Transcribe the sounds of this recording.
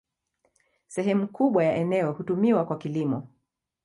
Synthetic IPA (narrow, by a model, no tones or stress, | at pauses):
sɛɦɛmukuɓwajaʔɛnɛɔhutumiwakwakilimɔ